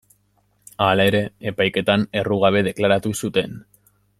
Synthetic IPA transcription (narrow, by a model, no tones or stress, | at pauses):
alae̞ɾe̞ːpajke̞t̪ane̞ruɣ̞aβ̞e̞ð̞e̞klaɾat̪usut̪e̞n